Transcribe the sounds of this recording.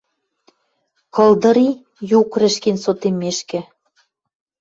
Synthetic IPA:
kɤld̪ɤ̆ɾi | jukrɘ̆ʃkensot̪emeʃkɘ̆

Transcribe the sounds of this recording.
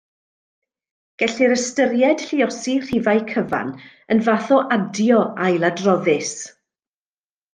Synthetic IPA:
ɡ̥ɛɬiɾəstəɾjɛd̥ɬɪɔsir̥ɪvajkʰəva̰n | ənvaθɔʔadjɔajlˠadrɔðɪs

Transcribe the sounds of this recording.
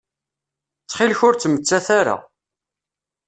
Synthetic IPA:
t͡sːχilçʊɾt͡sːmət͡sːæθaɾa̰

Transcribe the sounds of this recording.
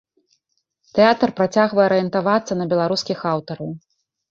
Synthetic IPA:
t̪ɛat̪rpɾat͡sʲaɣvɐjɛɐɾɨjɛnt̪avat̪sːɐnɐbʲɛlˠaɾuskʲixawt̪ɐɾɐw

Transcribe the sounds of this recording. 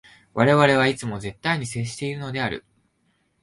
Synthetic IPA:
βaɾe̞βaɾe̞βait͡sɨmo̞ze̞t̪ːaiɲ̟ise̞ːɕi̥t̪e̞iɾɯ̟no̞d̪e̞aɾɯ̟̰

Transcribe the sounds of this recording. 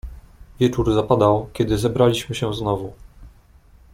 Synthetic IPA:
vʲjɛt͡ʂuɾzapad̪awkʲɛd̪ɘzɛbɾalʲiɕmɘɕɛznɔvu

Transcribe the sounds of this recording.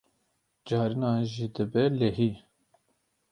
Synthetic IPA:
d͡ʒɑːɾinɑːʒiːd̪ɨbɛleɦi

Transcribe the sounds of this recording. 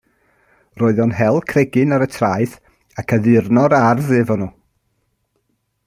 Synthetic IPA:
roːɨðɔnɦɛlˠkʰrɛɡɨnaɾətʰraɨθ | akʰəðɪrnɔɾarðɨvɔnu

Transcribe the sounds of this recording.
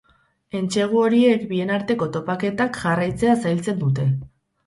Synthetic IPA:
e̞nt͡ʃe̞ɣ̞uo̞ɾie̞kbie̞naɾt̪e̞ko̞t̪o̞pake̞t̪akʝarajt͡se̞asajlt͡se̞nd̪ut̪̬e̞

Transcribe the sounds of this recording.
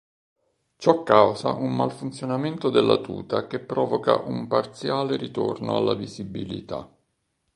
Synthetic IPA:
t͡ʃɔkːawza̰ʔumːalfunt̪sjonament̪od̪elːat̪ṵːt̪akepːɾɔːvoka̰ʔumpart̪sjaːleɾit̪orno̰alːavizibilit̪a̰

